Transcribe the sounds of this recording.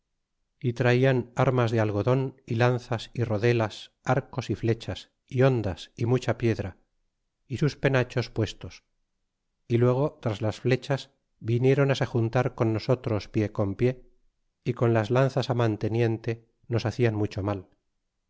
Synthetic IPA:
it̪ɾaianaɾmazðealɣo̞ðo̞nilanθasiro̞ðe̞las | aɾko̞sifle̞t͡ʃas | io̞nd̪asimut͡ʃapje̞ðɾa | isuspe̞nat͡ʃo̞spwe̞st̪o̞s | ilwe̞ɣ̞o̞t̪ɾazlasfle̞t͡ʃaz | βinje̞ɾo̞nase̞xunt̪aɾko̞nːo̞so̞t̪ɾo̞spje̞ko̞mpje̞ | iko̞nlazlanθasamant̪e̞nje̞nt̪e̞ | no̞saθianmut͡ʃo̞mal

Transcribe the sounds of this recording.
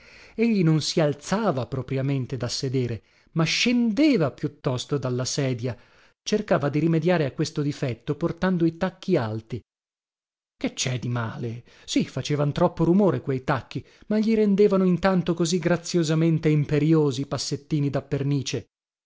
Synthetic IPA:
eʎːinonsialt̪saːvapɾopɾjament̪ed̪asːed̪eːɾe | maʃːend̪eːvapjut̪ːɔst̪od̪alːasɛːd̪ja | t͡ʃerkaːvad̪iɾimed̪jaːɾeakːwest̪od̪ifɛt̪ːoport̪and̪oit̪akːialt̪i | ket͡ʃːɛd̪imaːle | sifat͡ʃeːvant̪ɾɔpːoɾumoːɾekwejt̪akːi | maʎːiɾend̪eːvanoint̪ant̪okoziɡɾat̪sːjozament̪eimpeɾjoːzipasːet̪ːiːnid̪apːerniːt͡ʃe

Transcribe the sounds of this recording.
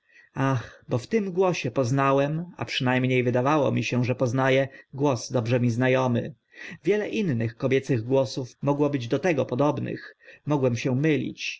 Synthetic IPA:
axbɔft̪ɘmɡwɔɕɛpɔznawɛma̰pʂɘnajmɲejvɘd̪avawɔ̰mʲiɕɛʐɛpɔznajɛɡwɔsd̪ɔbʐɛmʲiznajɔmɘ̰ | vʲjɛlɛʔinːɘxkɔbʲjɛt̪sɘɣɡwɔsufmɔɡwɔbɘd͡ʑd̪ɔt̪ɛɡɔpɔd̪ɔbnɘ̰xmɔɡwɛmɕɛmɘlʲḭt͡ɕ

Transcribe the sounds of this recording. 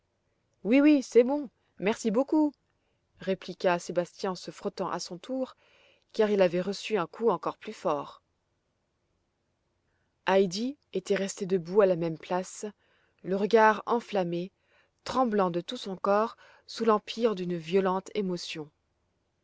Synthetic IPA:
wiwisɛbɔ̃ | mɛʁsiboku | ʁeplikʲasebast̪jɛ̃ɑ̃səfχɔt̪ɑ̃ʔa̰sɔ̃t̪ʰuʁ | kaʁilavɛʁəsyɛ̃kʰuɑ̃kɔʁplyfɔːʁ | ajd̪iet̪ɛʁɛst̪ed̪əbualamɛmplas | ləʁəɡaʁɑ̃flame | t̪χɑ̃blɑ̃d̪ət̪usɔ̃kɔʁ | sulɑ̃pʰiʁd̪ynvjɔlɑ̃t̪ʰemɔsjɔ̃

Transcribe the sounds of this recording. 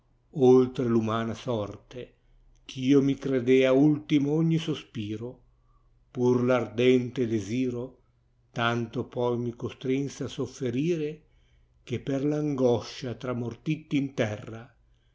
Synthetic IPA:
olt̪ɾelumaːnasɔrt̪e | k̟ʰiːomikɾed̪eːault̪imoɔɲːisospiːɾo | purlard̪ɛnt̪ed̪eziːɾo | t̪ant̪opɔjmikost̪ɾinseasofːeɾiːɾe | k̟epːerlaŋɡɔʃat̪ɾamort̪it̪ːiːnt̪ɛrːa

